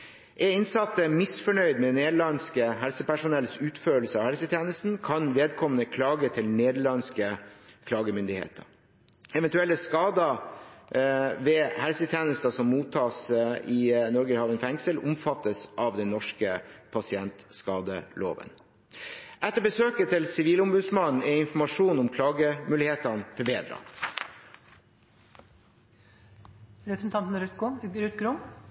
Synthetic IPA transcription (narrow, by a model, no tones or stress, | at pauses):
ʔɛɾɪnsɑt̪ːəmɪsfɔɳœʏd̪mɛneːd̪əɭɑnskəɦɛlsəpæʂʊnɛlsʉːt̪føːl̩səɑːʋhɛlsət̪ʰjæːnəst̪n̩kʰɑnʋeːd̪̚kʰɔmənəkʰlɑːɡət̪ʰɪlneːd̪əɭɑnskəkʰlɑːɡəmʏnd̪ɪhḛːt̪ʰəɾ | ɛʋɛnt̪ʉɛlːəskɑːd̪ə | ʋɛːhɛlsət̪ʰjæːnəst̪ɑsɔmːuːt̪ʰːɑːsɪnɔɾɡəhɑːʋənfɛŋsəlʊmfɑt̪ːəsʔɑʋd̪ɛnnɔʂkəpʰɑsɪɛnt̪skɑːd̪əlo̰ːʋə̰n | ʔɛt̪ːəɾbəsøːkət̪ʰɪlsɪʋiːləʊmbʉːd̪smɑnn̩ɛɾɪnfɔmɑʂuːnʊmkʰlɑːɡəmʉːlɪheːt̪ɑnfɔɾbeːd̪ɾɑ̰ | ɾɛpɾsn̩t̪ʰɑnt̪n̩ɾʉt̪ɾʉt̪ɡɾʊm